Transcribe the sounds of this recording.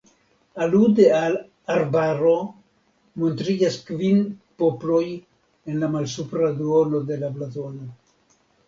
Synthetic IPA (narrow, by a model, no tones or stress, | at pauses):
alude̞al | aɾbaɾo̞ | mo̞ntɾid͡ʒaskvinpo̞ploj | e̞nlamalsupɾaduono̞d̪e̞lablazono